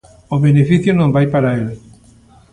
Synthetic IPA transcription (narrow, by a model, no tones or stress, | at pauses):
oβenefiθjʊnõmbajpaɾael